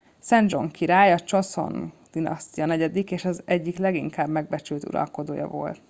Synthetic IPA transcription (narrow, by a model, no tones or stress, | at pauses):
sɛnd͡ʒo̞̰ŋkiɾaːjɒt͡ʃo̞so̞̰nd̪̥inɒ̰st̪ijɒnɛɟɛd̪ikeːʃɒzɛɟːiklɛɡiŋkaːbmɛɡ̚bɛt͡ʃylt̪ṵɾɒ̰lko̞d̪oːjɒ̰vo̞̰lt̪